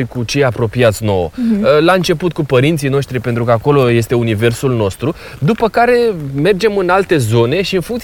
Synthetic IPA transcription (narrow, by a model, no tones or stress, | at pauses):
jkut͡ʃe̞japɾo̞piat̪sʲno̞̰wlaɨnt͡ʃe̞put̪̚kupəɾint̪sijnoʃt̪ɾipe̞nt̪ɾukəako̞lo̞je̞st̪e̞unive̞rsulno̞st̪ɾu | d̪upəkaɾe̞me̞rd͡ʒe̞mɨnalt̪e̞zo̞ne̞ʃiɨnfuŋkt̪s